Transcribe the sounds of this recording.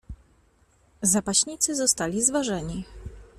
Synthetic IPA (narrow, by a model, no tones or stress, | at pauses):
zapaɕɲit̪sɘzɔst̪alʲizvaʐɛɲi